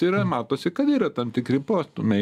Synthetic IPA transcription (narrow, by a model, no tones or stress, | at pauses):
iɾɐmɑːt̪oːsʲɪkɐt̪iːɾɐt̪ɐmt̪ʲɪkɾʲɪpoːst̪ʊmʲɛ